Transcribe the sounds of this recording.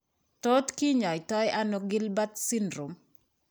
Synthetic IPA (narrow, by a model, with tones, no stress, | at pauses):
to˦tki˦ɲɔ˨ɪtɔ˦jʔa˦no˦ɡɪ˦lba˦t̪sɪ˦ndɾu˨m